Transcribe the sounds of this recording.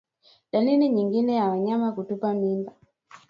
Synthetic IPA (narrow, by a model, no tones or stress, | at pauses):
ɗaliniɲiŋɡinɛjawaɲamakutupamimba